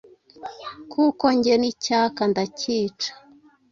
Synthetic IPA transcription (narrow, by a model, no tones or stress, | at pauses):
kukoɲɟenicakandaciːt͡ʃḁ